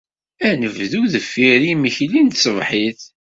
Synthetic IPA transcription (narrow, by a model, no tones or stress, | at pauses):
ænəvðuðəfːiɾiməçlint̪səvħiθ